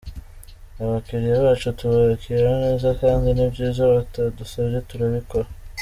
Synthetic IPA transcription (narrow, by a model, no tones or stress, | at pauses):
aβakiɾijaβaːt͡ʃotuβoɾekʰijehoneːzakaːndinibɟiːzaβatadusaβietuɾaβiko